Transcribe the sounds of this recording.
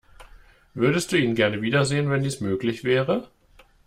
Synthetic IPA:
vʏɐdəst̚d̥uːiːnɡɛɐnəviːdɐzeːənvɛndiːsmøːklɪçv̥ɛːʁə

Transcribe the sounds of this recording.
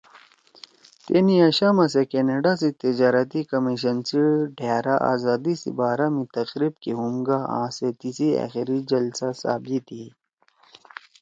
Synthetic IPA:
t̪eːniaɕaːmas̬ekeneɖas̬it̪id͡ʑaːɾɐt̪ikɐmiɕɐnsiɖʱeːɾaʔa̰ːzaːd̪isḭbaːɾamĩt̪ɐqɾib̚keɦumɡaã̰ːset̪isia̰ːxiɾid͡ʑɐlsasa̰ːbit̪ʰi

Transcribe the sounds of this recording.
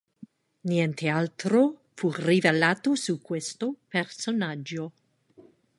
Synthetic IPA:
njɛnt̪ʰealt̪ɾofurivelaːt̪osukːwest̪opersonad͡ʒːo

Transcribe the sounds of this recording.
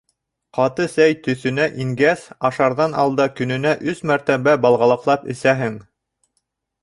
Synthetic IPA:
qɑt̪ɤsæjt̪ɵ̆θɵ̆næʔiŋɡæsɑʃɑɾðɑnʔɑ̰lˠd̪ɑkɵ̆nɘ̆næʔɵsmæɾt̪æβæbɑlˠʁɑlˠɤ̆qlˠɑpɘ̆sæɦɘŋ

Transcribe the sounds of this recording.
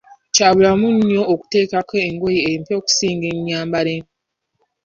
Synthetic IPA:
caːβulamunjo̞ːku̥te̞ːkakeeŋɡojeempeoku̥siːŋɡeɲːaːmbaɾe

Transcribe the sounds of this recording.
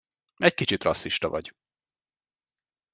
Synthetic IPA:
ɛckit͡ʃit̪rɒsːiʃt̪ɒvɒ̰ɟ

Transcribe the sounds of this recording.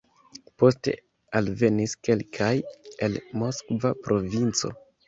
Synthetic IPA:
po̞ste̞̰ | alve̞niske̞lkʰaje̞lmo̞skvapɾo̞vint͡so̞̰

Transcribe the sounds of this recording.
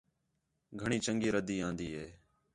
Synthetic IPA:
ɡʱəɳiːt͡ʃəŋɡiːɾəd̪iːãːnd̪iːɦeː

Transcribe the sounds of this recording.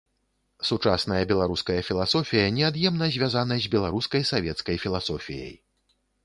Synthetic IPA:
sut͡ʂasn̪ɐjɐbʲɛlˠaɾuskɐjɐfʲilˠasɔfʲijɐnʲɛad̪jɛmnɐzʲvʲazanɐzʲzʲbʲɛlˠaɾuskɐjsavʲɛt̪skɐjfʲilˠasɔfʲijɐ̰j

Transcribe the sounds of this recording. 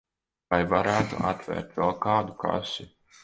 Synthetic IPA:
ajvaɾæːt̪ṵʔa̰t̪vʲɛ̰ːɾt̪vɛlˠkaːd̪uka̰si

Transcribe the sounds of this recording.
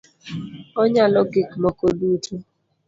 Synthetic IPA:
ɔɲalɔɡɪkmɔkodutʰu

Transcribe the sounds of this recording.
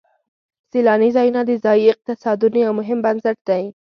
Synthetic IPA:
silɑnizɑjunad̪əzɑjiɪq̚t̪ɪsɑd̪unojawmʊɦɪmbansaʈ̚d̪aj

